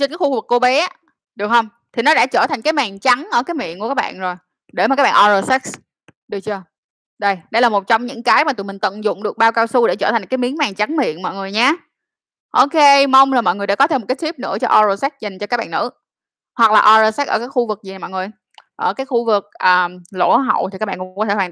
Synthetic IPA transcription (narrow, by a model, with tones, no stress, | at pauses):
t͡ɕə˧nkaː˨˦˥xu˧vɨ˨˩kːo˧ɓe˨˦˧ | ɗɨ˨˩ək̚hə˧wŋ͡m | t̪ʰi˨˩nɔ˨˦ɗa̰ː˧˥t͡ɕəː˧˩t̪ʰa˨˩ŋ̟aː˨˦jmaː˨˩ŋt͡ɕa˨˦ŋʔəː˧˩kaː˨˦jmḭ˧˨ənu˧˩kaː˦˥kɓa̰ː˧˨nzo˨˩j | ɗe˧˩m˨˩kaː˦˥ɓa̰ː˨ʔɔ˧zə˧sɛ˦˥k̚s | ɗɨ˨˩ət͡ɕɨ˧ə | ɗə˧˩jɗə˧jlaː˨˩mo˨˩t̚t͡ɕɔ˧wŋ͡mɲɨ̰˧˥ŋkaː˨˦jmaː˨˩ɨ̰˨˩mï˨˩ŋ̟t̪ɨ̰˧˨nzʊ̰˧˨ŋ͡mɗɨ˨˩ək̚ɓaː˧wkaː˧wsu˧ɗḛ˧˩t͡ɕəː˧˩t̪ʰŋ̟kaː˨˦jmi˨˦ənmaː˨˩ŋt͡ɕa˨˦ŋmḭ˧˨ənmɔ̰˧˨jŋɨ˨˩əjɲaː˧ | ʔo˧ke˧ma˧wŋ͡mzoː˨˩mɔ̰˧˨jŋ˨˩jɗa̰ː˧˥kɔ˨˦t̪ʰe˧m̚˨˩kːaː˨˦˥t̪ʰi˦˥p̚nɨ̰˧˥ət͡ɕɔ˧ʔɔ˧zo˧sa˦˥za˨˩ŋ̟t͡ɕɔ˧kaː˦˥k̚ɓa̰ː˧˨nːɨ̰˧˥ | hwa˨˩k̚laː˨˩ʔɔ˧zəː˧˩sa˦˥əː˧˩kaː˨˦˥jxu˧vɨ˨˩k̚zi˨˩a˨˩mɔ̰˧˨ŋɨ˨˩əj | ʔəː˧˩kaː˨˦jxu˧vɨ˨˩k̚ʔəː˨˩lo̰˧˥ɦə̰˧˨wt̪ʰi˨˩kaː˦˥ɓa̰ː˧kɔ˦t̪ʰwː